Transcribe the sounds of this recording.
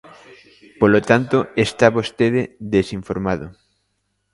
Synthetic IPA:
polot̪ant̪oest̪aβost̪eðeðesiɱfoɾmaðʊ

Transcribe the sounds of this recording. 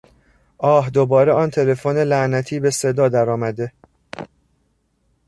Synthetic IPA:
ʔɒːhd̪obɒːɾeʔɒːnt̪ʰe̞le̞fone̞læʔnæt̪ʰiːbe̞se̞d̪ɒːd̪æɾɒːmæd̪e̞

